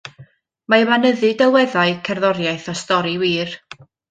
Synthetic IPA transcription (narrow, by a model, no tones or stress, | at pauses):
maəmanəðɨdɛwɛðaɨkʰɛrðɔɾjajθɔstɔɾiwiːr